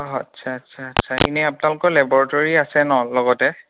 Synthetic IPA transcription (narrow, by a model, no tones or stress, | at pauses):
ɔɦatsʰaːtsʰaːtsʰaḭnɛapʊnalʊkɔɹlɛbɔɹatoɹiasɛnɔlɔɡɔtɛ